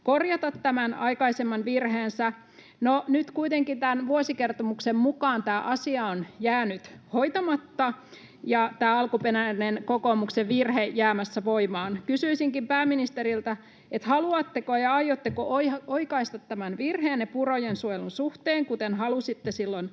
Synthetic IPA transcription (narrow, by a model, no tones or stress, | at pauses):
korjɑt̪ɑt̪tæmænɑikɑisemːɑnʋirheːnsæ | nonyt̪kuit̪eŋkint̪ænʋuosikert̪omuksemmukɑːnt̪æːʔɑsiɑonjæːnyt̪hoit̪ɑmɑt̪ːɑ | jɑt̪æːɑlkupenænenkokomukseʋirhejjæːmæsːæʋoimɑːnkysyisiŋkimpæːminist̪eɾilt̪æ | et̪hɑluɑt̪ːekojɑɑjot̪ːekoʔoioikɑist̪ɑt̪tæmænʋirheːnnepurojensuojelunsuht̪eːŋkut̪enhɑlusit̪ːesilːon